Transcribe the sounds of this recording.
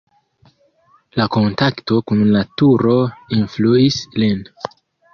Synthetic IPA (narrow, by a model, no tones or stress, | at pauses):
lako̞ntakto̞kunlatuɾo̞influislin